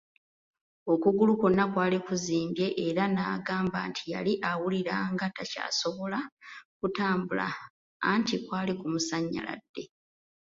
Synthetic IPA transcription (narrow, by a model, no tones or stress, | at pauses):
o̞kuɡulukonakwaːlikuziːmbje̞ʔːɾanaːɡaːmba̰ːntʰija̰liʔawuliɾaŋɡataca̰ːso̞βo̞lakutaːmbula̰ː | ntikwaːlikumusaɲːa̰la̰dːe̞